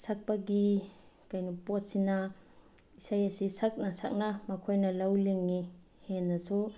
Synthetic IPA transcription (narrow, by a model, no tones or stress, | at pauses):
sak̚paɡikajnupɔt̚sina | isajasisʰak̚nasa̰k̚namɐkʰojnɐlɐwliŋːi | henːɐsu